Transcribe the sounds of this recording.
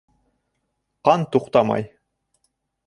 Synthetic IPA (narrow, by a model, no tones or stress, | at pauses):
qɑnt̪uqt̪ɑmɑ̰j